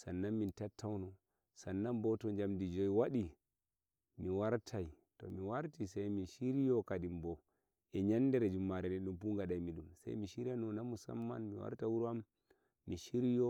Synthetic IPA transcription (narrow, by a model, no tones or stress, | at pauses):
sanːanmintatʰːawnɔ | sanːambɔtɔd͡ʒamdid͡ʒɔjwaɗi | miwaɾtʰaj | tɔ̰miwaɾtisajminʃiɾijɔkadimbɔ | ʔɛɲandɛɾɛd͡ʒumːaɾɛnɛɗumpuŋɡaɗajmiɗumsa̰jmiʃiɾianɔnamusa̰mːa̰nmiwa̰ɾtawuɾuamː | iʃiɾijɔ